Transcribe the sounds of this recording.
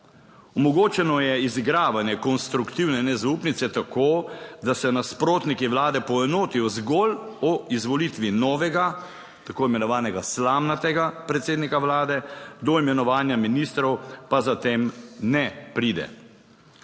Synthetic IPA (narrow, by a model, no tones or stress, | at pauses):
ɔmɔɡoːt͡ʃɛnɔjɛizɡɾaːʋanjɛkɔnst̪ɾukt̪iwnɛnɛzaupnit̪sɛt̪akʰoːd̪asɛnaspɾoːt̪nikiwlaːd̪ɛpɔɛnoːt̪ijɔzɡɔlɔizʋɔlit̪ʋinɔːʋɛɡa | t̪akoːimɛnɔʋaːnɛɡaslaːmnat̪ɛɡapɾɛt̪seːd̪nikawlaːd̪ɛd̪ɔimɛnɔʋaːnjaminist̪ɾɔwpazat̪eːmnɛpɾiːd̪ɛ̰